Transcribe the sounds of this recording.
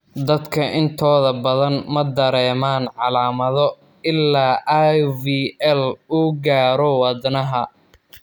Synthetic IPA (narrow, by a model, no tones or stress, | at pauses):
d̪ɐd̪kʰɐʔɪnt̪ʰɔːðɐbɐðɐnmɐd̪ɐɾɛːmaːnʕɑlaːmɐðɔ | ɪlːaːʔaviːɛluːɡaːɾɔwɑd̪nɐɦɐ